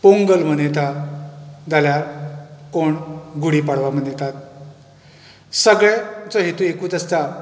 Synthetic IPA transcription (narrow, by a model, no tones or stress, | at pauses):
poŋɡəlm̤ənet̪a | d͡zaljaɾkoɳɡuɽipaɽ̤ʋam̤ənjet̪at̪̚ | səɡɭet͡sɔɦet̪ũekuːt͡səst͡sa